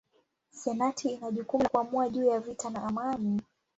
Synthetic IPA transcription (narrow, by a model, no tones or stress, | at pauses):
sɛnatʰiːnaʄukumkuamuaʄuːjavitanaʔamani